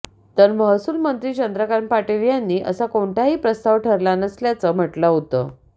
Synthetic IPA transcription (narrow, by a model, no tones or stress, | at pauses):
t̪əɾməɦəsulmənt̪ɾiːt͡ɕənd̪ɾəkaɾnpaʈeʋjanːiːʔə̰sakoɳʈʰaɦiːpɾəst̪aʋʈʰəɾlanəsljat͡səm̤əʈləɦot̪ə̰ː